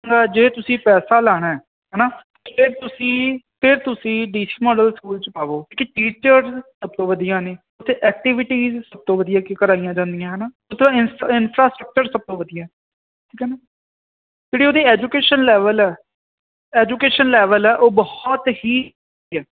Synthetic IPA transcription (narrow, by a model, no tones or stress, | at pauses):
ɡaːd͡ʒeːt̪ʊsĩːpɛːsaːlɛːɽ̃aːɛː | ɦɛːnaː | pʰɪɾt̪ʊsĩːpʰɪɾt̪ʊsĩːɖiːsi̥ːmɔːɖəlskuːlt͡ʃəpaːʋoːkeʈiːt͡ʃəɾsəb̚t̪õːʋəd̪ijãːneː | ʊt̪ʰːeːʔɛːk̚ʈɪʋɪʈiːzsəb̚t̪õːʋəd̪ijaːkɪkəɾaːijãːd͡ʒãːnd̪ijãːɦɛːnaː | ʊt̪ʰːãɪnɪnpʰɾaːsʈɾək̚t͡ʃəɾsəb̚t̪õːʋəd̪ijãːɛː | ʈʰiːkɛːnaː | d͡ʒeːɽiːoːd̪iːɛːd͡ʒukeːʃənlɛːʋəlɛː | ɛːd͡ʒuːkeːʃənlɛːʋəlɛːʔoːbɔht̪hiː | iːɛː